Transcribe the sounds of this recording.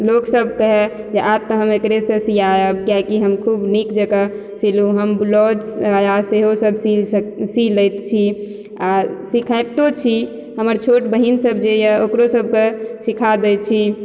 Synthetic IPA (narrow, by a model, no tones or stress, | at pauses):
loksəb̚ʱkəɦɛ | d͡ʒeʔab̚t̪əɦəmekɾesə̃sijajəbɡjakiɦəmkʰubnikd͡ʒəɡa | siluɦəmblɔd͡ʒaaseɦosəbʱsisilət̪t͡ʃʰi | asikʰajb̚t̪ot͡ʃʰi | ɦəməɾt͡ʃʰoʈbəɦinsəbʱd͡ʒejaokɾosəb̚ʱkesikʰad̪ɛt͡ʃʰi